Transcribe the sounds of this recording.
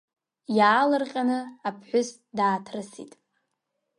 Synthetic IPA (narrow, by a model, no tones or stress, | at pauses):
jaːlɨrqʲʼanɨapʰħʷᶣʊs | daːtʰrɨsḭtʼ